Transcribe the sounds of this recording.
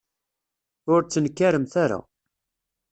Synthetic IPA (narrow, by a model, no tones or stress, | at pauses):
ʊɾt͡sːənkːæɾəmθaɾa̰